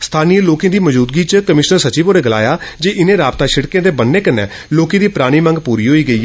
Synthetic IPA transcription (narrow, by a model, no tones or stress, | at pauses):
st̪ʰaːniːəloːkẽːd̪iːməd͡ʒuːd̪̚ɡiːt͡ʃkəmɪʃnəɾsət͡ʃiːboːɾeːɡəla̰ːjaːd͡ʒeːʔɪnẽːɾaːbt̪aːʃɪɽkẽːd̪eːbənːeːkənːɛ̰ː | loːkẽːd̪iːpɾaːɽ̃iːmə̃ŋɡpuːɾiːɦoːiːɡəiː